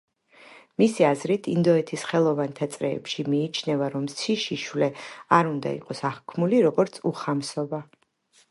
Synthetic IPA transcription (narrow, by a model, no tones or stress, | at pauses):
misiazɾit̪ʰind̪ɔɛt̪ʰisχɛlˠɔvant̪ʰat̪sʼɾɛ̰ːpʃimiːt͡ʃʰnɛvaɾɔmsʰiʃiʃwlɛaɾund̪a̰ḭqʼɔsaχkʰmuliɾɔɡɔɾt̪sʰuχamsɔba